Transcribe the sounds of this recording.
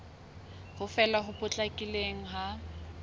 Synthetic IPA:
hʊfɛlaɦʊpʼʊt͡ɬʼakʼileŋ̩ɦa

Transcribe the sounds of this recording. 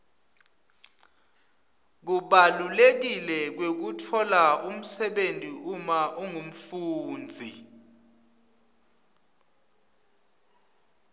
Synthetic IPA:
k̬uɓalulek̬ilɛk̬wek̬utʰɔlaum̩sɛɓentʼiʔumaʔuŋum̩fuːnd͡zʱi

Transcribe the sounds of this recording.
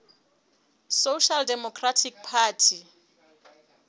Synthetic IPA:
soʃaldɛmɔkʰratʰik̚pʰaːtʰi

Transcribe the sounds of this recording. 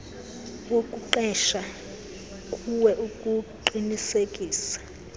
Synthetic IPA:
wokʼuǃɛʃa | kʼuwɛʔukʼuǃinisekʼiːsḁ

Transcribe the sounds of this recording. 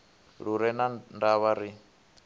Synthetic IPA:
ɺuɾɛnandaβaɾi

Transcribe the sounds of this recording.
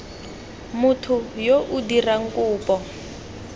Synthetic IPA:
mutʰujoʔudiraŋ̩kʼuːpʼɔ

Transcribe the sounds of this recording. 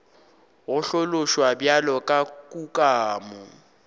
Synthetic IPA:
ɣʊɬolʊʃwabjalɔkʼakʼukʼaːmʊ

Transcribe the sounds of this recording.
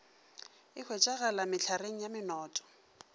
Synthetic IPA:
ɪk͡xʰwet͡ʃʼaɣalamɪt͡ɬʰareŋ̩jamɪnɔːtʼɔ̥

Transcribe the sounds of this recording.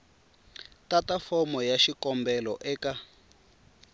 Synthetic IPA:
tatafɔmɔjaʃikɔmbɛlɔ̰ʔɛːka

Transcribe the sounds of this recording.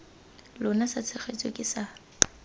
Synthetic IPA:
lʊnasat͡sʰɛχet͡sʼɔkʼɪsa

